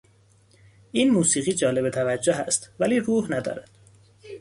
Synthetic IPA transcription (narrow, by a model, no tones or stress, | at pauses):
ʔiːnmuːsiːɣiːd͡ʒɒːle̞bet̪ʰævæd͡ʒːoɦæst̪væliːruːhnæd̪ɒ̰ːɾæd̪̥